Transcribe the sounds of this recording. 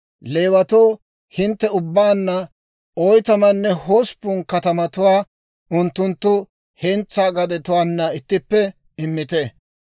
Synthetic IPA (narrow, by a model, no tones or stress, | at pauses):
leːwɐt̪oː | hɪnt̪ːɛʊbːaːnːɐ | ɔjt̪ɐmɐnːɛhoːspːʊnkɐt̪ɐmɐt̪ʊwaː | ʔʊnt̪ːʊnt̪ːʊ | hɛnt͡sːaːɡɐd̪ɛt̪ʊwaːnːɐɪt̪ːɪpːɛ | ɪmːɪt̪ɛ